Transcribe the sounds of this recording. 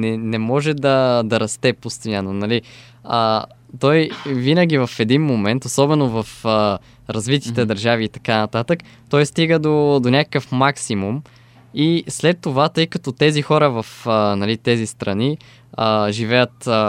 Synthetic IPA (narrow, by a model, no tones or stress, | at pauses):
nɛnɛmɔʒɛd̪ɐd̪ɐɾɐst̪ɛpost̪inʲanonɐli | ə | t̪ɔjvinəɡ̟ʲivɐfɛd̪inmomɛnt̪osɔbɛnovɐfə | ɾɐzvit̪it̪ɛd̪ɐɾʒaviːt̪ɐ̥kanɐt̪at̪ək | t̪ɔjst̪iɡəd̪od̪onʲakə̥kəfmaksimum | islɛt̪ːovat̪ɤjkɐt̪ɔt̪ɛzixɔɾəvɐfənɐlit̪ɛzist̪ɾɐni | əʒivɛjət̪